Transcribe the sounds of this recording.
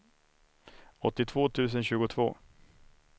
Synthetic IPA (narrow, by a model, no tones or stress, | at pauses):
ɔt̪ːɪt̪ʰvoːt̪ʰʉ̟ːs̬ənɕʉ̟ːɡʊt̪ʰvo̰ː